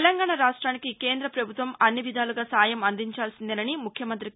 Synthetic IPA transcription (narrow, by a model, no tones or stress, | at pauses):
lɐŋɡaːɳɐɾaːʂʈɾaːnikikeːnd̪ɾɐpɾɐbʱut̪ʋɐmɐnːiʋid̪ʱaːluɡaːsaːjɐmɐnd̪iɲt͡ʃaːlsind̪ɐnɐnimukʰjɐmɐnt̪ɾi